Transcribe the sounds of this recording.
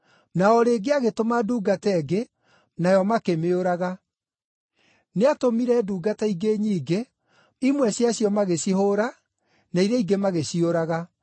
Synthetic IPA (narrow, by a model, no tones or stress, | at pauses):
naɔɾeːɡeaɣetomaduːɡatɛɡe | najɔmakemeoɾaɣa | neatomiɾɛduːɡataiɡeɲiːɡe | imwɛsjaɕjɔmaɣeɕiɦoːɾa | naiɾeiɡemaɣeɕioɾaɣa